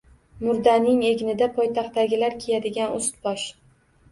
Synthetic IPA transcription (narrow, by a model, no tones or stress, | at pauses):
mʊɾd̪anɪŋe̞ɡʲnɪd̪apʰɒjt̪ʰaχt̪aɡʲɪlaɾkʲʰejad̪ɪɡʲanʊst̪bɒʃ